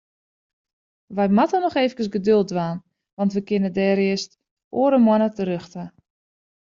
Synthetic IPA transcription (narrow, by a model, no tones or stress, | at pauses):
ʋɛjmatənɔxeːfəkəsɡədølˠdʋaːn | ʋɑntʋəkɪnədɛːɾɪəst | oːəɾəmwɔnətəɾøxtə